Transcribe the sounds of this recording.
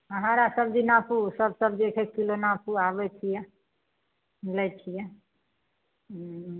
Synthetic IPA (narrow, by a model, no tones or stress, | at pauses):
əɦãɾasəbd͡ʒinapusəbsəbd͡ʒekʰekilonapuabɛt͡ʃʰijɛ | lɛt͡ʃʰijɛ